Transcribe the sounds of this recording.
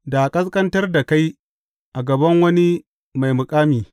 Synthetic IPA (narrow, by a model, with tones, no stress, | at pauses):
da˨kʼɐ˦skʼɐ˦ntɐ˦rda˨ka˦j | ʔa˨ɡɐ˨bɐ˦ŋwɐ˦ni˦ | ma˨jmʊ˨kʼaː˦miː˨